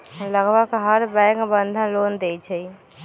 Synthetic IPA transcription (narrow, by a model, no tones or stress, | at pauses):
ləɡʋakɦəɾbɛ̃kbənd̪ʱənlond̪et͡ʃʰɛ